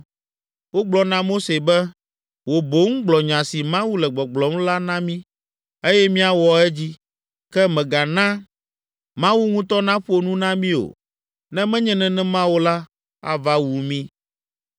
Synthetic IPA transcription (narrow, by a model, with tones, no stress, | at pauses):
wo˦ɡ͡blɔ˨nã˦mo˦se˨bɛ˦ | wo˨bo˦ŋ̩˦ɡ͡blɔ˨ɲã˨si˨mã˦wu˦lɛ˨ɡ͡bɔ˨ɡ͡blɔ˨˦m˦la˦nã˦mĩ˦ | e˦jɛ˦mĩ˦a˨wɔ˨ɛ˦d͡ʑi˦ | kɛ˦mɛ̃˨ɡa˨nã˦ | mã˦wu˦ŋũ˦t̪ɔ˦nã˦ɸo˦nũ˦nã˦mĩ˦o̰˨ | nɛ̃˦mɛ̃˦ɲɛ̃˨nɛ̃˨nɛ̃˦mã˦wo˦la˦ | a̰˨va˦wu˨mĩ˦